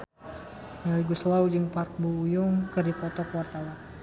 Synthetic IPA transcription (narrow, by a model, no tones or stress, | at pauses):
naliɡuslawd͡ʒəŋpark̚buːjʊŋkərdipɔt̪ɔkwart̪awa